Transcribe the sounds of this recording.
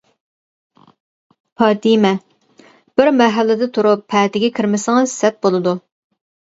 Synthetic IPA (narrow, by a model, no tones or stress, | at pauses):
pɑːt̪imɛ | b̥ɪɾmɛɦɛlːɪd̪ɪt̪ʰuɾupʰːɛːt̪ɪɡʲɛkʲʰiɾmɪsɪŋɑ̥sɛt̪̚bolˠɨd̪u